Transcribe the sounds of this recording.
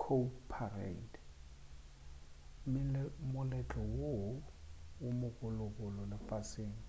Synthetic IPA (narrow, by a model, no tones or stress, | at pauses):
kʰopʰarɛ̰nd | mɪlɛmʊlɛt͡ɬʼɔwo | wʊmʊkʼʊlʊkʼʊlɔlɪfasɪːŋ̩